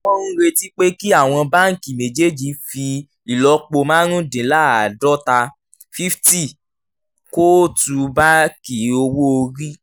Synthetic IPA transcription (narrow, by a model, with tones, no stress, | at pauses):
ɔ˦nũ˦ɾe˧ti˦k͡pe˦ki˦a˦˨w̃ɔ̃˧ba˦ŋ̩˨ki˨mẽ˨d͡ʒe˦˨d͡ʒi˧fi˧ | i˨lɔ˨˦k͡po˧mãː˦ɾ̃ũ˦dĩ˨˦la˦a˨dɔ˦ta˧ | fi˦fti˦˨ | ko˦tu˧ba˦ki˨o˧wo˦o˧ɾi˦